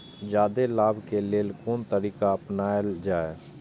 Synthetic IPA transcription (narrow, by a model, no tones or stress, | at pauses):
d͡ʒaːd̪elaːbʱkeleːlkoːnt̪əɾiːkaəpnaːd͡ʒaːe